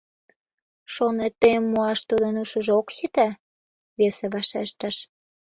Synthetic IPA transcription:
ʃonet̪əjəmːuɑʃt̪ud̪ənuʃəʒokʃit̪æ | βeseβɑʃeʃt̪ɑʃ

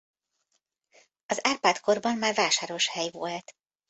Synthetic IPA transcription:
ɒzaːrpaːt̪ko̞rbɒmːaːrvaːʃaːɾo̞ʃhɛjvolt̪

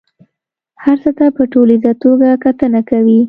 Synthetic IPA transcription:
haɾt͡sət̪apəʈolid̪at̪oɡakat̪ənakawi

